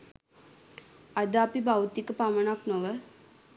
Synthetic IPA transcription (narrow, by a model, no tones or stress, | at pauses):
ad̪aːpibawt̪ikəpaməɳaknoʋə